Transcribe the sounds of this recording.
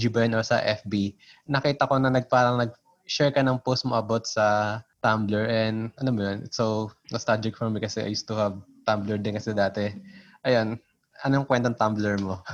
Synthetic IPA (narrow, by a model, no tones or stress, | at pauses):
d͡ʒubɐjɐnoɹsɐ̰ʔɛfbinɐkiːt̪ɐko̞nɐnɐɡ̚paːɾɐŋnɐɡ̚ | ʃɛɹkɐnɐŋpost̪̚moʔɐbot̪̚sɐt̪amblɛɹʔɛnd̪ʔɐnomojonʔɪ̰t̪sownɐst̪ad͡ʒɪk̚fɔɹmikɐsɛʔɐ̰juːst̪ʊhɐb̚t̪amblɛɹd̪ɪnkɐsɛd̪aːt̪ɛ | ʔɐjon | ʔɐnoŋkwɛnt̪oɐŋt̪amblɛɹmo